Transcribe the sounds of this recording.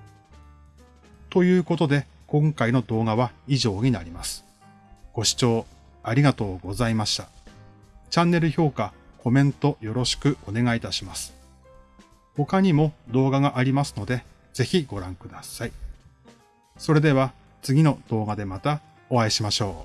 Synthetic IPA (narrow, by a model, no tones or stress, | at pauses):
t̪o̞jɯ̟ːko̞t̪o̞d̪e̞ | kõ̞ŋkaino̞d̪o̞ːɡaβaiʑo̞ːɲ̟inaɾʲimasɨ̥ | ɡ̥o̞ɕi̥t͡ɕo̞ː | aɾʲiɡat̪o̞ːɡo̞zaimaɕt̪a | t͡ɕãnːe̞ɾɯ̟ço̞ːka | kʰo̞mẽ̞nt̪o̞jo̞ɾo̞ɕi̥kɯ̟ʔo̞ne̞ɡait̪aɕimasɨ̥ | ho̞kaɲ̟imo̞d̪o̞ːɡaɡaʔaɾʲimasɨ̥no̞d̪e̞ | z̥e̞çiɡo̞ɾãŋkɯ̟d̪asai | so̞ɾe̞d̪e̞βa | t͡sɨɡʲino̞d̪̥o̞ːɡad̪e̞mat̪a | o̞βaiɕimaɕo̞ː